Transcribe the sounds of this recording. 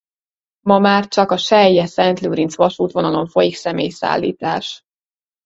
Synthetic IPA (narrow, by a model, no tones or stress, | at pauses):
mɒmaːrt͡ʃɒkɒʃɛjːɛsɛnt̪luːɾint̪sʋɒʃuːt̪ʋo̞nɒlo̞ɱfo̞jiksɛmeːjsa̰ːlːḭːt̪a̰ːʃ